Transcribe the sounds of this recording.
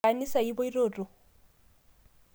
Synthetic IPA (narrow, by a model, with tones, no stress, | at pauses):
a˨ni˦sa˨i˦bo˦i˦roː˨rʊ˨